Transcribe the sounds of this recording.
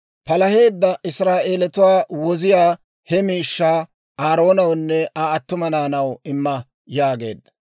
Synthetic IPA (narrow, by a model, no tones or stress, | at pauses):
pɐlɐhe̞ːd̪ːɐʔɪsɾaːʔe̞ːlɛt̪ʊwaːwɔzɪjaː | hɛmiːʃːaː | aːɾo̞ːnɐwnːɛʔaːt̪ːʊmɐnaːnɐwɪmːɐ | jaːɡe̞̰ːd̪ːɐ̥